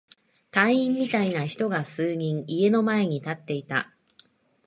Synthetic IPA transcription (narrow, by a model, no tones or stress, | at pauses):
t̪ãɰ̃ĩmːʲit̪ainaçi̥t̪o̞ɡasɨːɲ̟ĩŋie̞no̞mae̞ɲ̟it̪at̪ːe̞it̪a̰